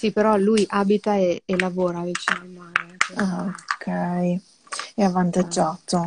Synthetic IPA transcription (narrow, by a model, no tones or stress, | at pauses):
sipeɾɔlujʔaːbit̪aeːlavoːɾavit͡ʃenemankːaokʰːɛj | ɛavːant̪ad͡ʒːaːt̪o